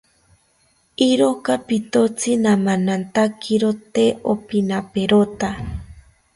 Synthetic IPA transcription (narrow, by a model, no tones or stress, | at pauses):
iɾokapit̪ot͡sinamanant̪akʰiɾot̪eopinapeɾot̪a